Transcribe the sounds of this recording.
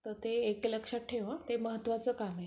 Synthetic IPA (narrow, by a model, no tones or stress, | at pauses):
t̪əɾt̪eekləkʂaʈʰeʋat̪eməɦət̪ːʋat͡səːkame